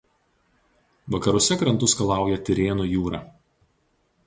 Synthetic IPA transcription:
ʋɐkɐɾʊsʲɛkɾɐnt̪ʊskɐlˠɑˑʊjɛt̪ʲɪɾʲeːnuːjuːɾɑː

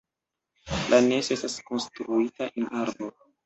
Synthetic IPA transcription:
lʔane̞soe̞stasko̞nstɾuitaʔenaɾbo

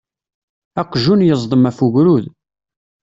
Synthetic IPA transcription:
æqːʒunjəzˤd̪ˤəmæfuɣɾuð

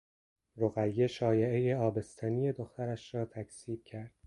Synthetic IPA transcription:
ɾoɣæjːe̞ʃɒːjeejeɒːbe̞st̪ʰænije̞d̪oxt̪ʰæɾæʃɾɒːt̪ʰækʰsiːb̥̚cʰæɾd̪̥

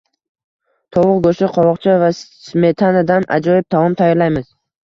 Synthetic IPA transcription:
t̪ʰɒwʊqɡoʃɪqʰɒwɒqt͡ʃʰavasme̞t̪ʰanad̪ana̰d͡ʒɒjɪb̚t̪ʰamɒmt̪ʰajɒɾlajmɪz̥

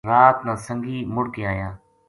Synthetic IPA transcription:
ɾaːt̪nãːsəŋɡiːmʊɽkeːaːjãː

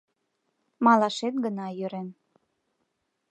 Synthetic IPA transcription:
mɑlɑʃet̪̚ɡənɑjøɾen

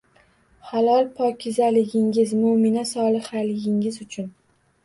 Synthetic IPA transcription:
halˠɒlˠpʰɒkʲʰɪzalɪɡʲɪŋʲɪzmʊmɪnasɒlˠɨχalɪɡʲɪŋɪzʊt͡ʃʰʊn

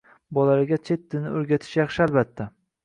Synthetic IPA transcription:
bɒlaɾɪɡʲat͡ʃʰe̞t̪̚d̪ɪnɪoɾɡʲat̪ʰɪ̥ʃjɑχʃɪalbat̪ʰːa

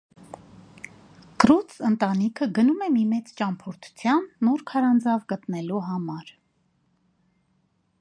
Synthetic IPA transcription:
krut͡sʰənt̪ɑnikʰəɡənumɛmimɛt͡st͡ʃɑmpʰɔɾt̪ʰu̥t͡sʰjɑnːuɾkʰɑɾɑnd͡zɑvɡət̪nɛluɦɑmɑɾ

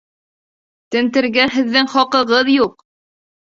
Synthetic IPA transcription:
t̪ɘ̆nt̪ɘ̆ɾɡæɦɘ̆ðːɘŋχɒqɤ̆ʁɤðjuq̚

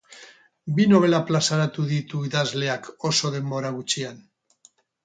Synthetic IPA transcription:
bino̞β̞e̞laplasaɾat̪uðit̪uiðazle̞ako̞so̞ðe̞mbo̞ɾaɣut͡ʃian

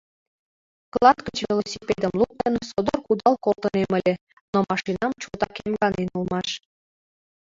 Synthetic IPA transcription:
klˠɑt̪kət͡ɕvelosʲiped̪əmluk̚t̪ənsod̪orkud̪ɑlkolˠt̪əneməlʲĕ | nomɑʃinɑmt͡ɕot̪ɑkemɡɑnenulˠmɑʃ

